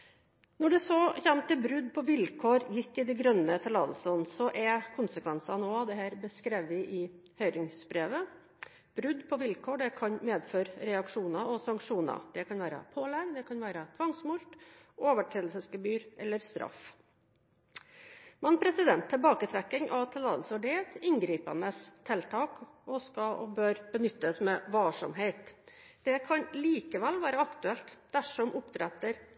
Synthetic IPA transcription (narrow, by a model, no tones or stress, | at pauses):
nɔɖɛsɔçæmt̪əbɾʉd̪pʰɔʋɪlkʰoːɾjɪt̪ːɪd̪ɛɡɾœnːət̪ʰɪlɑ̰ːd̪l̩sənsɔʔɛkʰʊnsəkʰʋɛnsɑnoːɑd̪ɛɦæːɾbəskɾeːʋʋɪʔɪ | hœʏɾɪŋsbɾeːʋə | b̥ɾʉd̪pʰɔʋɪlkʰoːɖɛkʰɑnmeːd̪føːɾɾɛɑkʂuːnɑɔsɑŋkʂuːnɑ̰d̪̥ɛkʰɑnʋæːɾə̰pʰoːlɛɡd̪ɛkʰɑnʋæːɾət̪ʰʋɑŋsmʊlt̪ʔoːʋəʈʰɾɛːlsəsfəbyːɾʔɛlːəɾst̪ɾʔɑ̰f | mɛnpʰɾɛsɪd̪ɛnt̪ʰːɪlbɑːkət̪ʰɾɛkːɪŋʔɑʋt̪ʰɪlːɑːd̪lsʋɑɖɛɛt̪ɪŋɡɾiːpɑ̰nəst̪ʰɛlt̪ʰɑːk | ɔskɑʔɔ̰bøːɾb̥ənʏt̪ːəsmɛʋɑlʂɔ̰mɦeɪt̪ | d̪̥ɛkʰɑnliːkəʋɛlʋæːɾəɑkt̪ʉɛlt̪d̪æʂɔmʔʊpt̪ʰɾɛt̪ːəɾ